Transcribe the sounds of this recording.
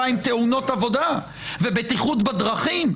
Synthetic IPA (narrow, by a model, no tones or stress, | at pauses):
aimt̪euno̞tavo̞d̪a | vebet̪iχut̪bad̪ʁaχim